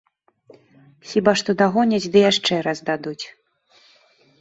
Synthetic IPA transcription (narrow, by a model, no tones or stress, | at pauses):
sʲibaʂt̪ɔd̪aɣɔnʲat͡sʲd̪ɨjaʂt͡ʂɛɾɐzd̪ad̪ut͡sʲ